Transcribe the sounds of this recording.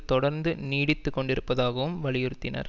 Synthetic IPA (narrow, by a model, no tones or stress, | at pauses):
t̪ɔɽɐɾnd̪ɯniːɽɪt̪ːɯkːɔɳɖɪɾɯpːɐðaːɣɐʋɯmʋɐɭɪjɪɾɯt̪ːɪnɐ̰ɾ